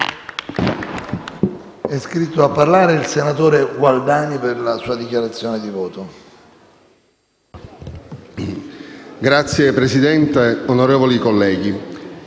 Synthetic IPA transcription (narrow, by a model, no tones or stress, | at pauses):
ɛskɾit̪ːoapːarlaːɾeilsenat̪oːɾeɡwald̪aːniperlasuːad̪ikjaɾat̪sːjoːned̪ivoːt̪o | ɡɾat̪sːjepɾezid̪ɛnt̪eonoɾeːvolikolːɛːɡi